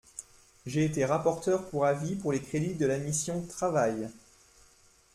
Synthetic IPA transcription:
ʒeːt̪eʁapɔʁt̪œʁpuʁavipuʁlekχed̪id̪əlamisjɔ̃t̪χavaj

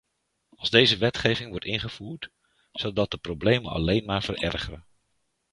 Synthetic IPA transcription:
ɑlˠzdejzəʋɛtχejvɪŋʋɔɹtɪnχəv̥uːɹt | z̥əlˠdɑt̚dəprowblejmənɑ̰lejnmaːɹvərʔɛ̰rχərən

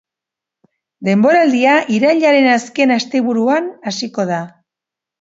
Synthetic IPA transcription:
d̪e̞mbo̞ɾald̪iaʔiɾaʎaɾe̞naske̞nast̪e̞βuɾuanasiko̞ð̞a

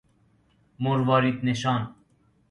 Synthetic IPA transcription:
moɾʋɑːɾiːt̪neʃɑːn

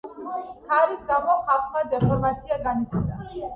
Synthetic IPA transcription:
kʰaɾisɡamɔχaqʰʼmad̪ɛpʰɔɾmat̪sʰiaɡanit̪sʰasa

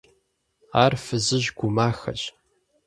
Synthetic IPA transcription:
aːrfɨzɨʑɡʷʊmaːxɐ̰ɕʼ

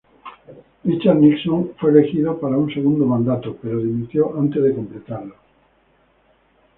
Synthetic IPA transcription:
it͡ʃaniksõŋfweelexiðapaɾauŋseɣũnd̪omãnd̪at̪opeɾoðimit̪joʔant̪ezðekomplet̪aɾlo

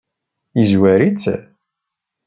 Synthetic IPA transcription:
izwæɾit͡sː

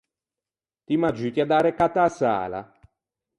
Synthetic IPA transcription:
t̪imad͡ʒit̪iad̪aːɾekat̪asa̰ːla̰

